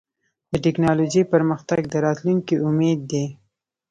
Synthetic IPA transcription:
d̪̥əʈɪknɑlod͡ʒəjpəɾməxt̪aɡd̪əɾɑt̪luŋkiʔʊmed̪ːe

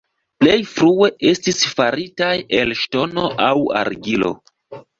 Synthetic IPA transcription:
ple̞jfɾue̞ʔe̞stisfaɾitaje̞lʃto̞no̞ʔawa̰ɾɡilo̞̰

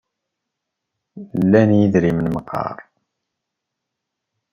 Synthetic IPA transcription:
lːænjiðɾimənməqːɑ̰ɾˤ

